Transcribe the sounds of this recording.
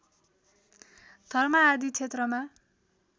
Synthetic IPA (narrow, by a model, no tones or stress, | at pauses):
d̪̥ʱʌrmaːd̪it͡sʰet̪rʌma